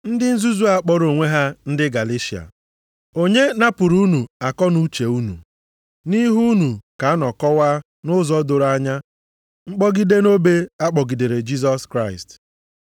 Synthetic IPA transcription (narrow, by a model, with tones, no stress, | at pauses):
n̩˦dɪ˦n̩˦zu˦zu˦a˦k͡pɔ˦ɾo˨ŋʷe˦ɦa˦n̩˦dɪ˦ɡa˨le˦ʃi˨a̰˨ | o˨ɲe˦na˦pʊ˨ɾu˦nu˨a˨kɔ˦nu˦t͡ʃe˨u˦nṵ˨ | ni˦ɦu˦nu˨ka˨a˦nɔ˨kɔ˦waː˦ | nʊ˦zɔ˦dʊ˨ɾa˦ɲa˦ | ŋ͡m̩˦k͡pɔ˦ɡi˦de˦no˦be˦a˦k͡pɔ˨ɡi˨de˨ɾe˨d͡ʒi˦z̬ɔ˦skɾa˦˨ɪ˨st